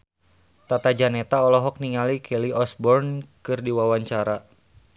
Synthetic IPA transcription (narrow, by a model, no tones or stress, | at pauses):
t̪at̪ad͡ʒanɛt̪aɔlɔɦɔk̚niŋalikʰɛliɔsbɔrnkɨrdiwawaɲt͡ʃaɾa